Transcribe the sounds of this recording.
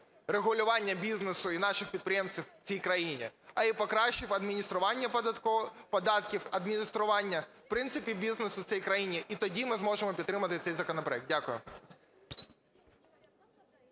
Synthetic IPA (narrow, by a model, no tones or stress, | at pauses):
reɣʊlʲʊʋɑnʲːɐbʲiznesʊinɑʃɪxpʲid̪̚pɾʲɪjemsʲt͡sʲiww̥t͡sʲijkɾɐjinʲḭɐipɔkɾɑɕt͡ʃɪfɐd̪mʲinʲist̪ɾʊʋɑnʲːɐ | pɔd̪ɑt̪kʲifɐd̪mʲinʲist̪ɾʊʋɑnʲːɐfpɾɪnt̪sɪpʲibʲiznesʊsʲɛjkɾɐjinʲiʔit̪ɔdʲimɪzmɔʒemɔpʲid̪ːɾɪmɐt̪ɪt̪sɛjzɐkɔnɔpɾɔɛk̚d̪̚dʲakʊjʊ̰